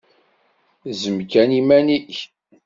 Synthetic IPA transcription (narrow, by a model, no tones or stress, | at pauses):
zəmkænimæniç